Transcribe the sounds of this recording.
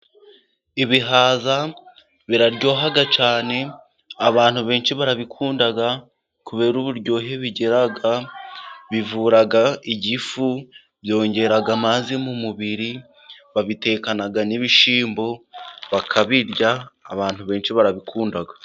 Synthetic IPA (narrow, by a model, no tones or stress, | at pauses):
iβiɦaːza | βiɾaɾɟo̞ːɦaɡat͡ʃaːne̞ | aβaːn̥huβe̞ːnʃiβaɾaβikʰuːndaɡa | kuβe̞ːɾuβuɾɟo̞ːɦeβiɟeɾaɡa | βivuːɾaɡaiɟifu | βjo̞ːɲɟe̞ɾaɡamazimumuβiɾi | βaβite̞ːkanaɡaniβiʃiːmbo̞βakʰaβiɾɟaːβaːn̥huβe̞ːnʃiβaɾaβikʰuːndaɡḁ